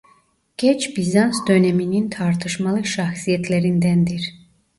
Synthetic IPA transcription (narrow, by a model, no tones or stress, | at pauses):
ɟ̥ɛt͡ʃbizansd̪ø̞nɛminint̪ʰɑɾt̪ʰɯʃmalˠɯʃɑxsijɛt̪ʰleɾind̪ænd̪iɾ